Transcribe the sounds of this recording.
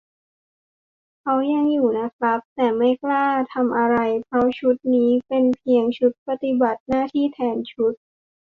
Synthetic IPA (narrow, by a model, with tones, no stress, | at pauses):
kʰa˦˥wja˧ŋjuː˨˩na˦˥k̚ʰla˦˥p̚t̪ɛː˨˩ma˥˩jklaː˥˩t̪ʰa˧mʔa˧ɾa˧jpʰɾɔ˦˥t͡ɕʰu˦˥t̪̚niː˦˥pe˧npʰi˧əŋt͡ɕʰu˦˥t̪̚pa˧t̪i˨˩ba˨˩t̪̚naː˥˩t̪ʰiː˥˩t̪ʰɛː˧nt͡ɕʰu˦˥t̪̚